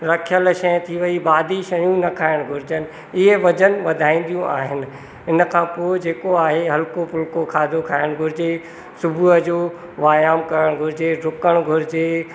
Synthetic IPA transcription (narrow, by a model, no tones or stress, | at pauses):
ɾɐkʰjəlʃɐjə̃t̪ʰiʋɐibaːd̪ʱiʃɐɽjũnɐkʰaːɪɽ̃ɡʱʊɾɪd͡ʑənɪ̆ | ɪɦeʋɐd͡ʑənʋɐd̪ʱaːĩːn̆d̪ijũʔa̰ːɦɪnɪ̆ | ɪnkʰãːpoːɪd͡ʑeːkoaːɦeɦɐlkopʊlkokʰaːd̪ʱokʰaːɪɽ̃ɡʱʊɾɪd͡ʑe | sʊbʱuɦəd͡ʑoː | ʋaːjaːmkɐɾəɽ̃ɡʱʊɾɪd͡ʑeɾʊkəɽ̃ɡʱʊɾɪd͡ʑeː